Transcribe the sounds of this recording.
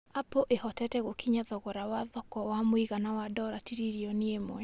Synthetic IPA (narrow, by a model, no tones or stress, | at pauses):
apoʔehɔtɛtɛɣokʰiɲaðɔɣɔɾawaðɔkɔwamoiɣanawadɔɾatiɾiɾiɔniemwɛ